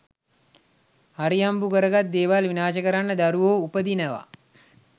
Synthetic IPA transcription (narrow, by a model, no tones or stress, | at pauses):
haɾiambukəɾəɡat̪̚d̪eːʋalʋinaːʃəkəɾanːəd̪aɾuʋoːupəd̪inəʋa̰